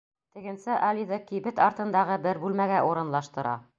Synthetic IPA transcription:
t̪ɘ̆ɡɘ̆nsɘʔɑlʲiðɤkibɘt̪ɑɾt̪ɤ̆nd̪ɑʁɤbɘɾbʉlmæɡæʔuɾɤ̆nlˠɑʃt̪ɤ̆ɾɑ̰

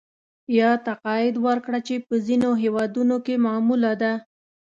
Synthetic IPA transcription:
jɑt̪aqɑjɪd̪wəɾkɽat͡ʃepəzinoɦewɑd̪unokemɑmulad̪a

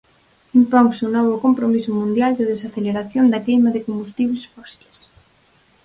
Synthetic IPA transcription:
impoŋsunɔβ̞okompɾomisomũnd̪jald̪eðesaθeleɾaθjond̪akejmaðekombust̪iβlesfɔsi̥les

